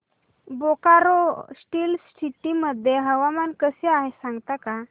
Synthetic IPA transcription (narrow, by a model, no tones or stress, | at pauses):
bokaɾosʈiːlsʈʰiʈiməd̪ʱːjeɦəʋamankəseaɦesãŋɡt̪aka